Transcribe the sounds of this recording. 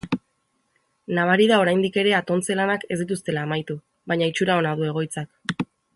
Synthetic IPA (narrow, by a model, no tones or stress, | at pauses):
naβ̞aɾiðao̞ɾajnd̪ike̞ɾe̞at̪o̞nt͡se̞lanake̞zd̪it̪̬ust̪e̞laːmajt̪u | βaɲait͡ʃuɾao̞nað̞ue̞ɣ̞o̞jt͡sak